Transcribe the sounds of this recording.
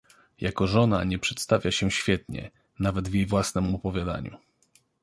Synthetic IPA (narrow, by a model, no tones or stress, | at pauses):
jakɔʐɔna̰ɲɛpʂɛt̪st̪avʲjaɕɛɕfʲjɛt̪ɲɛ̰ | navɛd̪vʲjejvwasnɛmɔpɔvʲjad̪a̰ɲṵ